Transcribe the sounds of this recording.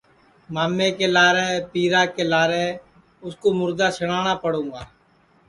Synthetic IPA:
maːmːeːkeːlaːɾeːpiːɾaːkeːlaːɾeː | ʊskoːmʊɾd̪aːsəɽaːnaːpəɽũːɡaː

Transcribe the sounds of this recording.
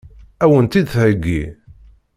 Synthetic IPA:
æwənt̪id̪θhəɡːḭ

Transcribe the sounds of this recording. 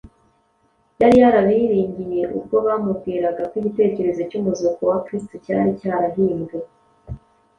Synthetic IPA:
jaɾijaɾaβiɾiːɲɟijje̞ʔṵb̚ɡo̞βaːmubɡiːɾaɡakwiɟite̞ːce̞ɾe̞zo̞cuːmuzokowakɾistocaːɾicaːɾaɦiːnɡe

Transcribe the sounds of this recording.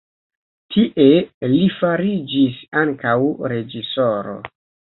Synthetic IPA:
tʰiʔe̞lifaɾid͡ʒisaŋkawɾe̞d͡ʒiso̞ɾo̞̰

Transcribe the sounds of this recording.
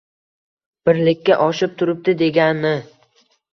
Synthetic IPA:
b̥ɪɾlɪkʲːaʔɒʃɪp̚t̪ʰʊɾɪp̚d̪ɪd̪e̞ɡʲanːɪ

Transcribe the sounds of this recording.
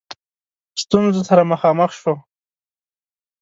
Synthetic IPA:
st̪unzosaɾaməxɑməxʃwo

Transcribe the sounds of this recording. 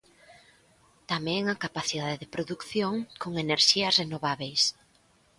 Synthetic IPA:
t̪amɛ̃ŋakapaθiðaðɪðɪpɾoðukθjoŋkoŋeneɾʃiɐsrenoβaβejs

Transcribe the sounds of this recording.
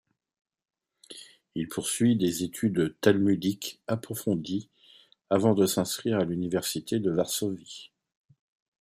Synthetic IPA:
ilpʰuʁsɥid̪ezet̪ʰyd̪t̪almyd̪ikapχɔfɔ̃d̪i | avɑ̃d̪əsɛ̃skχiʁalynivɛʁsit̪ʰed̪əvaʁsɔvi

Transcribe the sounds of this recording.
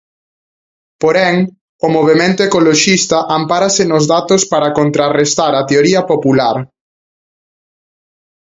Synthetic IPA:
poɾɛŋ | omoβ̞emẽnt̪oekoloʃist̪ɐʔampaɾɐsɪnʊzðat̪ospaɾakont̪ɾarest̪aɾɐt̪eoɾiɐpopulaɾ

